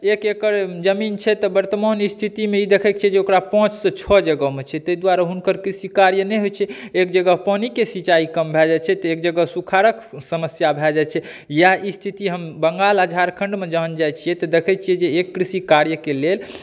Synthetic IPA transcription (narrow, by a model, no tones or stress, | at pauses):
ekekəɾd͡ʒəmint͡ʃʰɛt̪ɔbəɾt̪əmanist̪ʰit̪imeid̪ekʰɛkt͡ʃʰiɛd͡ʒeokɾapɔ̃t͡ʃsə̃t͡ʃʰɔd͡ʒəɡəɦmet͡ʃʰɛt̪əid̪waɾaɦunkəɾkɾisikaɾjənɛɦojt͡ʃʰɛekd͡ʒəɡəpənikesit͡ʃaikəmbʱɛd͡ʒat͡ʃʰɛt̪ɔekd͡ʒəɡəsukʰaɾəksəməsjabʱɛd͡ʒat͡ʃʰɛ | jaɦist̪ʰit̪iɦəmbəŋɡalad͡ʒʱaɾkʰəɳɖmed͡ʒəɦənd͡ʒajt͡ʃʰijɛt̪ɔd̪ekʰɛt͡ʃʰiɛd͡ʒeːkːɾisikaɾjəkelel